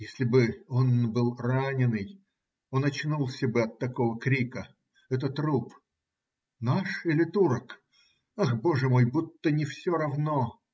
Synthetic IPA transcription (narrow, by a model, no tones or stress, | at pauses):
jesʲlʲɪbɨo̞nbɨlˠranʲɪnɨj | onɐt͡ɕnulˠsʲəbɨɐt̪ːɐko̞vəkɾʲikə | ɛt̪ət̪rup | naʂilʲɪt̪uɾək | axbo̞ʐɨmo̞jbut̪ːənʲɪfsʲoɾɐvno